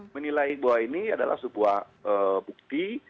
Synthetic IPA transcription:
mənilajbawainiada̰lʔa̰hsəbuah | əːbuk̚t̪i

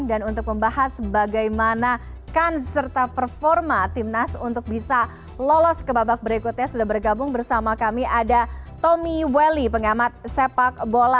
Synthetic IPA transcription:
ŋdanunt̪ʊk̚məmbahasːəbaɡajmana | kansərt̪apərfɔrmat̪imnasunt̪ʊk̚bisa | lɔlɔskəbabak̚bəɾikut̪̚ɲasudahbərɡabʊŋbərsamakamiʔadat̪omiwelipəŋamat̪̚sepak̚bola

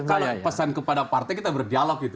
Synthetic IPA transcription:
kalopəsankəpadapart̪aɛjkit̪abərdialɔk̚it̪u

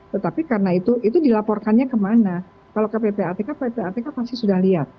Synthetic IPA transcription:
t̪ət̪apikaɾənait̪uʔit̪udilapɔrkanɲakəmana | kalokapepeat̪ekapepeat̪ekanpast̪isudahliat̪̚

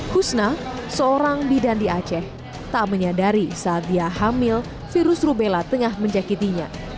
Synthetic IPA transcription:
husnasəoɾaŋbidandiat͡ʃɛh | t̪aməɲadaɾisad̪iaɦamɪl | fiɾʊsrubelat̪əŋahməɲd͡ʒakit̪iɲa

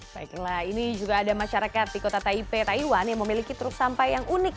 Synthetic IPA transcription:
baiklahinid͡ʒuɡaːdamaʃaɾakat̪̚dikot̪at̪aipet̪aiwanjaŋməmilikit̪əɾʊksampajjaŋunɪk̚

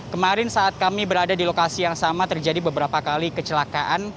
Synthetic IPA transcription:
kəmaɾɪnsaʔːt̪̚kamibəɾadadilokasijaŋsamat̪ərd͡ʒadibəbəɾapakalikət͡ʃəlakaʔan

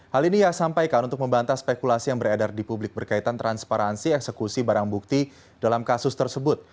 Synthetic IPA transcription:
halinijasampajkanunt̪ʊk̚məmbant̪aspekulasijaŋbəɾadardipublɪk̚bərkait̪ant̪ɾanspaɾansiɛksəkusibaɾaŋbuk̚t̪i | dalamkasʊst̪ərsəbʊt̪̚

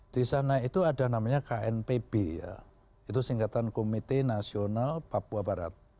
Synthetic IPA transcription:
d̥isanait̪uadanamaɲakaɛnpeb̥eja̰ | it̪usiŋkat̪ankomit̪enasionalpapuabaɾa̰t̪̚

